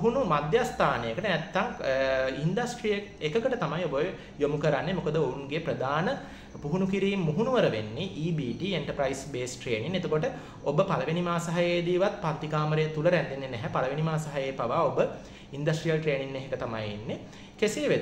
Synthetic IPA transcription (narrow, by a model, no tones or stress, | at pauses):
ɦunumad̪jast̪ʰaːnejəkəʈənɛt̪ːaŋind̪asʈrijəkekəkəʈət̪amajobə | jomukəɾanːemokəd̪əouŋɡeprəd̪aːnə | puɦunukiɾiːmːuɦunuʋəɾəʋenːeʔiːbiːʈieɳʈəpɾaisbeːsʈɾeːniŋet̪əkoʈə | obəpaləʋenimaːsaɦajeːd̪iːʋat̪̚paɾt̪ikaːməɾeːt̪uləɾænd̪enːenɛɦæpaləʋenimaːsaɦajejpaʋaːobə | ind̪asʈrijəlʈɾeːninːeɦekət̪ama̰jḭnːe | keseʋed̪